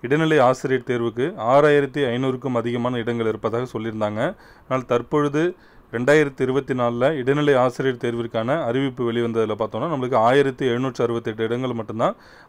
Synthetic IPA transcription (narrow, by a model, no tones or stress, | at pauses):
ɪɽɐnɪlɐɪaːsɪɾɪjʈt̪eːɾʋɯkːɯaːɾaːjɪɾɐt̪ːiɐɪnuːɾɯkːɯmɐðɪɣɐmaːnɐɪɽɐŋɡɐɭɪɾɯpːɐðaːɣɐsɔlːɪɾɯnd̪aːŋɡɐ | naːlt̪ɐɾpɔɻɯðɯ | ɾɛɳɖaːjɪɾɐt̪ːiɪɾɯbɐt̪ːinaːllɐɪɽɐnɪlɐɪaːsɪɾɪjʈt̪eːɾʋɪɾɯkːaːnɐːɾɪʋɪpːɯʋɛɭɪʋɐnd̪ɐðɪlɐpaːɾt̪õːnːaːnɐmɐɭɯkːɯaːjɪɾɐt̪ːiɛɻɯnuːʈrɯɐɾɯbɐt̪ːɪɛʈːɯɪɽɐŋɡɐɭmɐʈːɯmt̪ãː